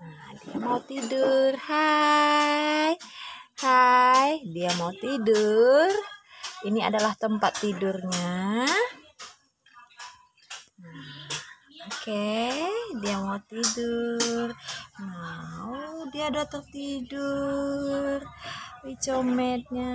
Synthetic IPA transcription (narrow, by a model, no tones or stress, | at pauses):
nadia̰maut̪idʊrha | jhajdiamaut̪idurinia̰dalaht̪əmpat̪ːidurɲa | na | oke | diamaut̪idurma | diadat̪əŋ̚t̪idu | rit͡ʃomɛt̪̚ɲa